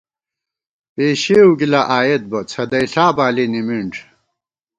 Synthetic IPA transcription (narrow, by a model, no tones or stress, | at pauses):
peːɕeuɡilɐʔaːjet̪̚bɐt͡sʰɐd̪ɐjɬaːbaːlinimiɳʈ͡ʂ